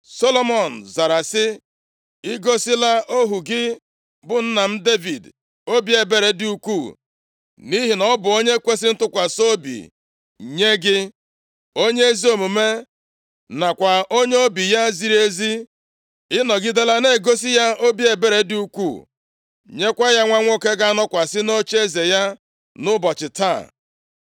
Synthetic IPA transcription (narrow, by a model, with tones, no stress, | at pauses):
so˦lo˦mɔ˨n̩˨za˨ɾa˨sɪ˦ | ɪ˦ɡo˦sɪ˦la˦ʔo˦ɦu˨ɡɪ˦ | bʊ˨n̩˦na˨m̩˦de˦vi˨d | o˦bi˦e˨be˦ɾe˨dɪ˨u˨kʷu˦˨ | ni˦ɦi˨nɔ˦bʊ˨o˦ɲe˦kʷe˦sɪ˦n̩˦tʊ˦kʷa˨so˦bḭ˨ | ɲe˦ɡɪ˦ | o˦ɲe˦e˦zi˦o˨mu˨me˦ | na˨kʷa˨ʔo˦ɲe˦o˦bi˨ja˦zi˦ɾi˦e˦zi˦ | ɪ˦nɔ˨ɡɪ˦de˦la˦ne˦˨ɡo˦si˦ja˦o˦bi˦e˨be˦ɾe˨˦dɪ˨u˦kʷṵ˦˨ | ɲe˦kʷa˦ja˦ŋʷa˦ŋʷo˦ke˦ɡa˦a˦nɔ˦kʷa˨sɪ˦no˦t͡ʃe˦ze˨ja˦ | nʊ˦bɔ˨t͡ʃɪ˨ta̰˦˨